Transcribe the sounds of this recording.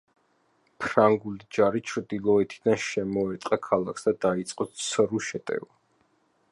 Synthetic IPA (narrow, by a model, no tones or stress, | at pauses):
pʰɾaŋɡulid͡ʒaɾit͡ʃʰɾd̪ilˠɔɛt̪ʰid̪anʃɛmɔɛt̪ʼqʼakʰalˠakʰsd̪ad̪ait̪sʼqʼɔt̪sʰɾuʃɛt̪ʼɛ̰va